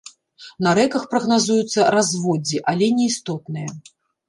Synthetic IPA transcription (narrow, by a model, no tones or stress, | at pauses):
nɐɾɛkɐxpɾɐɣnazujut̪sːɐɾazvɔd͡zʲiʔalʲɛnʲɛist̪ɔt̪nɨjɐ